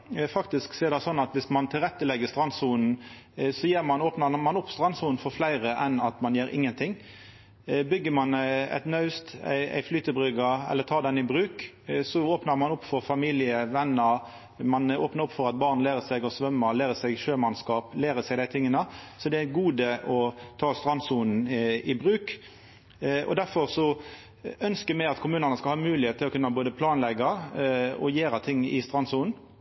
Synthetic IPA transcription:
fɑkt̪ɪsksɛːɾd̪ɛsɔnːɑt̪ʋɪsmɑnt̪ʰɪlɾɛt̪ːəlɛɡːəst̪ɾɑnsuːnn̩ | sɔjeːɾmɑnoːpnəmɑnʊpːst̪ɾɑnsuːnn̩fɔɾflæɪɾəʔɛnɑt̪mɑnjeːɾɪ̰ŋːənt̪ʰɪŋː | bʏɡːəmɑnæ̰t̪nœʉst̪æ̰ɪæ̰ɪflyːt̪əbɾʏɡəɾɛ̰lːəɾt̪ʰɑːd̪ɛnɪbɾʉːk | sɔoːpnəɾmɑnʊpːfɔɾfɑmiːlɪəʋɛnːəɾ | mɑnoːpnəɾʊpːfɔɾɑt̪̚bɑːʁnlæːɾəsɛɡɔsʋœmːəlæːɾəsɛɡʃøːmɑnskɑːplæːɾəsɛɪɡd̪æɪt̪ʰɪŋːənəsɔd̪ɛæɡuːd̪əʔɔt̪ʰɑːst̪ɾɑnsuːnn̩ɪbʁʉːk | ɔ̰d̪æɾfɔʁsɔ | œnskəmæɪɑt̪kʰʊmʉːnənəskɑlhɑːmʉːlɪeːt̪ʰːɪlɔkʉnːɑboːd̪əpʰlɑːnlɛɡːɑ | ɔ̰jeːɾɑt̪ʰɪŋːɪ̰st̪ʁɑnsuːn̩

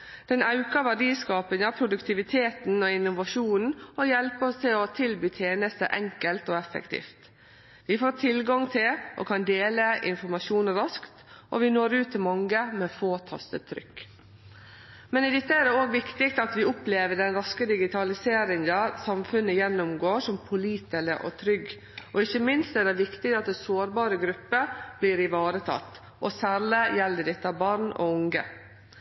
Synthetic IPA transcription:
d̪̥ɛnɑʉkəʋæɖiːskɑːpɪŋɑpʰɾʊd̪ʉkt̪ʰɪʋɪt̪ʰeːt̪n̩ɔɪnʊʋɑʃuːnn̩ɔjɛlpəɔst̪ʰɪlɔt̪ʰɪlbyːt̪ʰjeːnəst̪ə̰ʔɛŋkəlt̪oːɛfɛ̰kt̪ʰḭːft̪ | ʋɪfoːʈʰɪlɡɑŋt̪ʰɪlʔɔ̰kʰɑnd̪eːləʔɪ̰nfɔɾmɑʃuːnɾɑskt̪ʔɔʋɪnoːɾʉːt̪ʰːɪlmɑŋːəmɛːfoːt̪ʰɑ̰st̪ə̰t̪ʰːɾʏ̰kː | mɛnɪd̪ɛt̪ːəɛd̪ɛoːɡʋɪkt̪ɪkt̪ɑt̪ʋɪʊpleːʋəɖɛnɾɑskəd̪ɪɡɪt̪ʰɑlɪseːɾɪŋəsɑmfʉnːəjɛnːʊmɡoːʂɔmpʰʊliːt̪ɛləʔɔ̰t̪ʰɾʏɡː | ʔɔɪçːəmɪnst̪ɛdɛʋɪkt̪ɪk̪̚ɑt̪̚d̪ɛsoːɾbɑːɾəɡɾʉpːəb̥liːɾɪʋɑːɾət̪ʰɑ̰t̪ː | ʔɔsæːɾɭɪjɛlːəɖ̪ɛt̪ːəɑbɑɾɳɔ̰ʊŋɡə̰

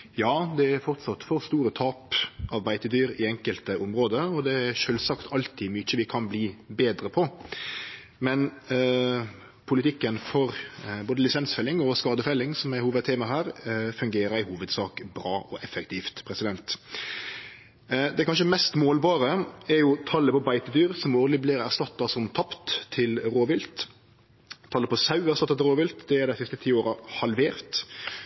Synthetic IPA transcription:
jɑːd̪ɛæɾfɔʁt̪sɑt̪ːfɔʁst̪uːɾət̪ʰɑːpʔɑʋbæɪt̪əd̪yːɾɪɛŋkəlt̪əʔʊmɾoːd̪əɔd̪ɛæɾʃøːlsɑkt̪ʰɑlt̪ʰɪːmʏc͡çəʋɪkʰɑnbliːbeːd̪ɾəpʰɔ | mɛn | pʰʊlɪt̪ɪkːənfɔɾboːd̪əlɪsɛnsfɛlːɪŋɔskɑːd̪əfɛlːɪŋsɔmæɾhuːʋəd̪t̪ʰeːmɑɦæːɾfʉŋɡeːɾəɾæɪhuːʋəd̪sɑːkbɾɑːʔɔʔɛfɛk̚t̪ʰiːft̪pʰɾɛsɪd̪ɛnt̪ | d̪ɛkʰɑnʃəmɛst̪moːlbɑːɾəɛɾjʊt̪ʰɑlːəpɔbæɪt̪əd̪yːʁsɔmoːʁd̪ɪblɪʁæ̰ʁst̪ɑt̪ːɑsɔmt̪ʰɑpt̪ʰːɪlɾoːʋɪlt̪ | t̪ʰːɑlːəpɔsɑʉæʁsɑt̪ːɑt̪ɪɾoːʋɪlt̪d̪ɛæɾd̪æɪsɪst̪ət̪ʰiːoːɾɑhɑlʋeːɾt̪

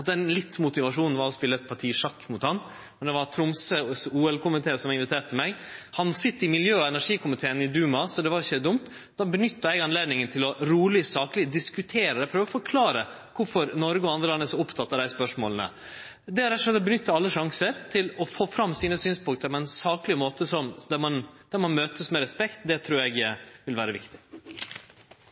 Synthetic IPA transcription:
ɑt̪̚d̪ɛnlɪt̪ːmʊt̪ɪʋɑʂuːnn̩ʋɑɾɔspɪlːəɛt̪̚pʰɑɾʈʰiːʂɑkːmʊt̪hɑn | mɛnd̪ɛʋɑɾt̪ʰɾʊmsəsuːɛlkʰʊmɪt̪ʰeːsɔmɪnʋɪt̪ʰeːɾʈt̪ʰːɪmæɪɡhɑnsɪt̪ːəɪmɪljøːɔɛnæʂiːkʰʊmɪt̪ʰeːənɪd̪ʉːmɑsɔd̪ɛʋɑɾɪçəd̪ʊmt̪ | d̪ɑːbənʏt̪ːəɛɡɑnleːd̪nɪŋənt̪ʰɪlɔɾuːlɪsɑːklɪd̪ɪskʉt̪ʰeːɾəɛpʰɾøːʋəɔfɔɾkʰlɑːɾə | kʰʊɾfɔɾnɔɾɡəɔɑnd̪ɾəlɑnːəsɔʊpt̪ʰɑt̪ːɑd̪æɪspœʂmo̰ːlnə̰ | d̪ɛhɑɾɛt̪ːʊʂlɛt̪ːɔbənʏt̪ːəɑlːəʂɑŋsəɾt̪ʰɪlɔfoːfɾɑmːsiːnəsyːnspʊŋk̚t̪əɾpʰɔɛnsɑːklɪmoːt̪əsɔmd̪æɾmɑnd̪̥æɾmɑnmøːt̪ʰəsmɛɾɛspɛkt̪d̪ɛt̪ʰɾuːɾɛɡʋɪlʋæːɾəʋɪ̰kt̪ɪ̥

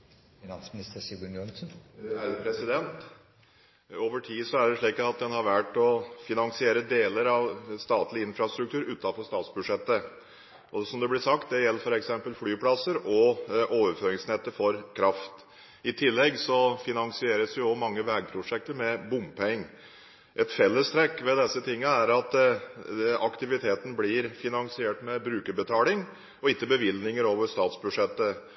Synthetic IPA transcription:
fɪnɑnsmɪnɪst̪əɾsɪɡənjɔnsnæɾpʰɾɛsɪd̪ɛnt̪ | oːʋəʈʰiːsɔæɖɛʂɭiːkəɑt̪̚d̪ɛnhɑɾʋæʈɔfɪnɑŋsɪeːɾəd̪eːləɾɑʋst̪ɑːt̪lɪɪnfɾɑst̪ɾʉk̚t̪ʰʉːɾʉːt̪ːɑfɔʂst̪ɑːt̪sbʉd̪ʂɛt̪ːə | ʔɔsɔmd̪ɛblɪsɑk̚t̪̚d̪ɛjɛlːəɾfɔɾɛksɛmpəlflyːpʰlɑsəɾɔʔoːʋəɾføːɾɪŋsnɛt̪ːəfɔɾkʰɾɑft̪ | ɪt̪ʰɪlːɛɡsɔfɪnɑŋsɪeːɾəsjʊɔmɑŋːəʋɛːɡ̚pʰɾʊʂɛk̚t̪əɾmɛbʊmpʰɛŋː | ʔɛt̪fɛlːəst̪ɾɛkːʋɛd̪ɛsːət̪ʰɪŋːəæɾɑt̪ | ɑkt̪ɪʋɪt̪ʰeːt̪n̩blɪɾfɪnɑŋsɪeːʈmɛbɾʉːkəɾbət̪ʰɑːlɪŋ | ɔɪkːəbəʋɪlnɪŋəɾoːʋəʂt̪ɑːt̪sbʉʂɛt̪ːə

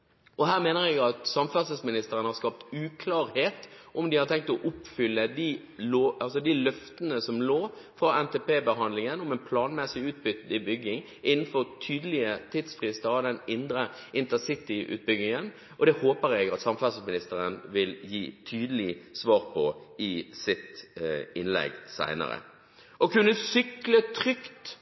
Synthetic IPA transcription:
ʔɔɦæːʁmeːnəʁɛɡɑt̪sɑmfœʁsəsmɪnɪst̪əɾənhɑɾskɑp̚t̪ʉːkʰlɑːɾheːt̪ʔɔmd̪ɪhɑɾt̪ʰɛŋk̚t̪ɔʔʊpfʏlːəd̪i | loːʔɑlsɔd̪ilœft̪ənəsɔmloː | fʁɑɛnt̪epeːbəɦɑnd̪lɪŋənɔmɛːnpʰlɑːnmɛsɪʉːt̪̚bʏt̪ɪbʏɡːɪŋ | ʔɪnːn̩fɔʁt̪ʰyːd̪əlɪət̪ʰiːd̪sfʁɪst̪əʁɑd̪ɛnɪnd̪ɾə | ʔɪnt̪əsɪt̪ɪʔʉ̰ːt̪̚bʏɡɪŋən | ɔd̪ɛhoːpəɾɛɡɑt̪sɑmfæsəmɪnɪst̪əʁənʋɪljiːt̪ʰyːd̪əlɪsʋɑːʁpʰɔɪsɪt̪ɪnlɛ̰ɡsæ̰ɪnə̰ɾə̰ | ʔɔkʰʉnːəsʏklət̪ʰʁʏkt̪

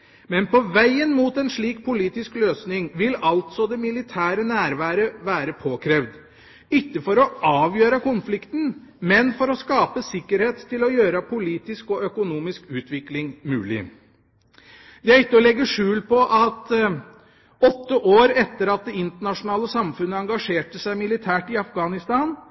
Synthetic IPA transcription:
mɛnpɔʋæɪənmuːt̪ɛnʂɭiːk̚pʰʊliːt̪ɪskløːsnɪŋʋɪlɑlt̪sɔd̪ɛmɪlɪt̪ʰæːɾənæːɾʋæːɾəʋæːɾəpʰoːkʰɾeʋd̪ | ɪkːəfɔɾɔʔɑːʋjøːɾəkʊnflɪkt̪n̩ | mɛnfɔɾɔskɑːpəsɪkːəɾheːt̪ʰːɪlɔjøːɾəpʰʊliːt̪ɪskɔœkʊnuːmɪskʉːt̪ʋɪklɪŋmʉːlɪ̰ | d̪ɛæɾɪt̪ːəɔlɛɡːəʂʉːlpɔʔɑt̪ | ɔt̪ːəʔoːɾɛt̪ːəɾɑt̪̚d̪ɛɪnt̪əɳɑʂʊnɑːləsɑmfʉnːəɑŋɡɑʂeːʈəsæɪmɪlɪt̪ʰæːʈɪɑfɡɑːnɪst̪ɑːn

